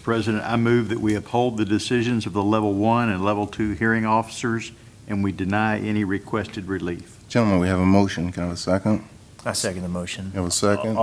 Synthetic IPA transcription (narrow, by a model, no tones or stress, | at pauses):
pʰɹ̥ɛzɨɾɨ̃nta̰ɪmʉvðɨʔwiɨphoʊlˠd̪̚ðɨdɨsɪʒɨ̃nzʌvðəlɛvl̩ˠwʌ̃nɨ̃nlɛvl̩ˠtʰʉhiɹɪ̃ŋɔfə̥sə˞z | ʔɨ̃nwidɨnaɪʔɛñiɹɨkʰw̥ɛstɨd̚ɹɨlifd̥ʒ̥ɛ̃ñl̩ˠmə̃nwiɨvəmoʊʃɨ̃nkʰɨ̃nvəsɛkə̃nd̥ | sɛkɨ̃ndəmoʊʃɨ̃nvəsɛkɨ̃n